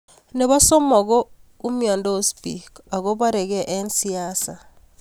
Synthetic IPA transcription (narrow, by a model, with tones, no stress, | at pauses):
ne˨βa˦so˦mɔ˨ɣo˦u˦mjɔ˨ndo˦o˦spḭ˨ka˨ɣo˦ba˦ɾe˨ɣɛ˦ʔe˦nsi˦a˦sa˨